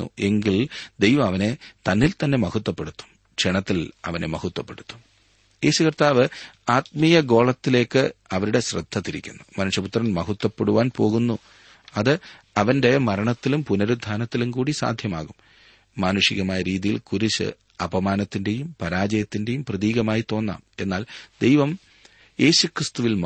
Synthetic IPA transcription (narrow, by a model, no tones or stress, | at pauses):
ṵe̞ŋɡild̪ejʋɐmɐʋɐne̞t̪ɐnːilt̪ɐnːe̞mɐhut̪ːɐpːe̞ɽut̪ːu̥m | ʂeɳɐt̪ːilɐ̰ʋɐnemɐhut̪ːwɐpːe̞ɽut̪ːu̥m | e̞ːɕukɐrt̪aːʋɨaːt̪̚mijɐɡo̞ːɭɐt̪ːile̞ːkːɨɐʋɐɾuɽe̞ɕrɨ̰d̪ʱːɐt̪ːiɾikʲːṵnːumɐnuʂjɐput̪rɐnmɐhut̪ːɐpːe̞ɽuʋaːnpo̞ːɣunːu | ɐðɨ | ɐʋɐnde̞mɐɾɐɳɐt̪ːilumpunɐɾud̪ʱːaːnɐt̪ːilumkuːɽisa̰ːd̪ʱjɐma̰ːɣum | maːnuʂiɣɐmaːjɐɾiːðijḭlkuɾit͡ɕːɨ̰ | ɐbɐmaːnɐt̪ːinde̞jumpɐɾaːd͡ʑɐjɐt̪ːinde̞jumprɐðiːɣɐmaːjit̪o̞ːnːa̰ːme̞nːaːld̪ejʋɐm | je̞ːɕukrɨst̪uʋilm